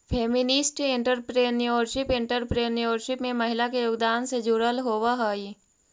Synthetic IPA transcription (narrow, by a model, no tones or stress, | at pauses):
pʰeːmɪnɪsʈɪ̃ɳʈəɾpɾeːnijoːɾʃɪpɪ̃ɳʈəɾpɾeːnjoːɾʃɪpmẽmɐɦɪlakejoːɡd̪aːnsed͡ʒuɾəlɦoːʋaɦoːi